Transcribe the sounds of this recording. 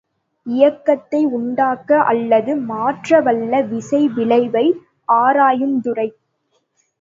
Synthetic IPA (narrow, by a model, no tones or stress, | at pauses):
ɪjɐkːɐt̪ːɐɪʊɳɖaːkːɐʔɐ̰lːɐðɯmaːʈrɐʋɐlːɐʋɪsɐɪʋɪɭɐɪʋɐɪ | ʔaːɾaːjɯmd̪ʊrɐɪ